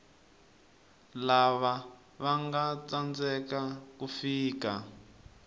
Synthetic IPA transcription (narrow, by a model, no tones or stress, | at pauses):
laβa | βaŋɡat͡sand͡zɛkakufiːka